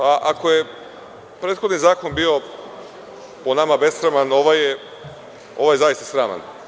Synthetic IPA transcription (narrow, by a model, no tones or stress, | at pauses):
aʔakoje | pɾeːt̪xonizaːko̞nbio̞ | ponamabe̞sɾamanoʋaje | o̞ʋajezajist̪asɾaːma̰n